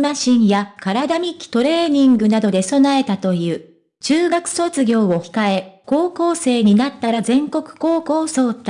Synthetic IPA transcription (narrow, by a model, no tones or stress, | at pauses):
maɕĩɰ̃jakaɾad̪amʲikʲːi̥t̪o̞ɾe̞ːɲ̟ĩŋɡɯ̟nad̪o̞d̪e̞so̞nae̞t̪at̪o̞jɯ̟ː | t͡ɕɨːɡakɯ̟̥so̞t͡sɨɡʲo̞ːo̞çi̥kae̞ko̞ːko̞ːse̞ːɲ̟inat̪ːaɾazẽ̞ŋko̞kɯ̟̥ko̞ːko̞ːso̞ːt̪ːa